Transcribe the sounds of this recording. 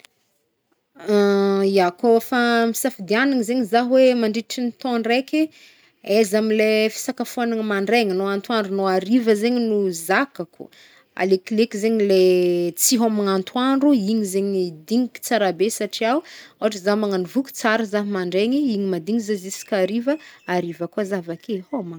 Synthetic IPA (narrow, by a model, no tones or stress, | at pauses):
iakofamisafid̪ianiŋizeɲizaɦwemaɳɖ͡ʐiʈ͡ʂinit̪õɳrekʲi | ezamilefi̥sakafanaŋmaɳɖ͡ʐeŋinoant̪waɳɖ͡ʐunoaɾivəzeɲinuzakaku̥̰ | a̰leklekizeɲilet͡siɦomaŋant̪waɳɖ͡ʐuiɲizeɲid̪iŋiki̥t͡saɾabesaʈ͡ʂiaoɦaʈ͡ʂəzamaŋanivukʲu̥t͡saɾəzaɦimaɳɖ͡ʐeŋiiɲimad̪iŋizazisi̥kʲaɾivəaɾivakuazavakehoma